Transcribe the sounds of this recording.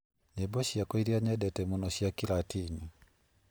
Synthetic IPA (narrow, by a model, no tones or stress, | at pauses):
ɲebɔɕiakɔiɾiaɲɛdɛtɛmunɔɕiakilatiɲi